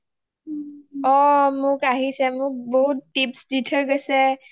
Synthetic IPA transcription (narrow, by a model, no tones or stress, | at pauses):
ɔmʊkaɦisɛmʊk̚bɔɦutːipsditʰəɹɡɔsɛ